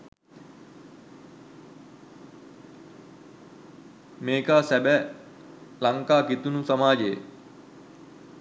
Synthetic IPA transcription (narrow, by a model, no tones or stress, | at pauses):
meːkaːsæbæ | laŋkaːkit̪unusamaːd͡ʒeje